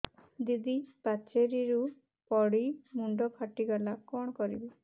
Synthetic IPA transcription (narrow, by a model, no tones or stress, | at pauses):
d̪id̪ipat͡ʃeɾiɾu | pɔɽimuɳɖɔkʰaʈiɡalakɔɽ̃ɔkɔɾḭbɔ